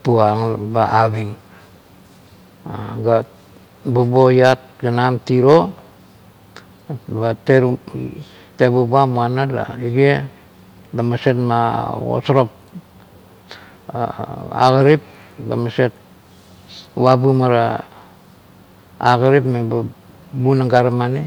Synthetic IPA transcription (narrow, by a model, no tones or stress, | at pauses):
puaŋbaaβiŋ | ɡa | bubojat̚ɡanamtiɾo | bateɾ | tebubamuanala̰iɡe | damasetma̰o̰soɾop̚ | a̰ɡaɾip̚da̰mase̞t̚ | wabumaɾa | a̰ɡaɾipmeba | bunaŋɡaɾamani